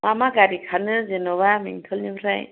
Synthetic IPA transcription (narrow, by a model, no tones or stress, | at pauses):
mamaɡaɾikʰanɯzenɔβamḭŋtʰɔlnibɾaj